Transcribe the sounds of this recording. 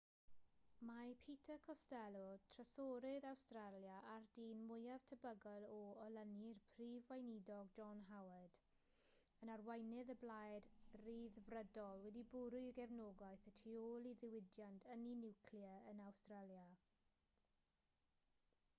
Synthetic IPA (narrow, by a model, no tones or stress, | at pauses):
mapʰiːtʰəkʰɔstɛlˠɔtʰrəsɔɾɪðawstralˠjaʔardiːnmʊjav̥tʰəbəɡɔlˠɔɔlˠənirpʰriːvwajnidɔɡd͡ʒɔnɦawəd̥ | ənarwajnɪðəblajdriːðvrədɔlˠwɛdibʊɾʊɡɛvnɔɡaɨθətʰioːlˠiðɪwɪdjantʰəninɪwkʰljəənawstralˠja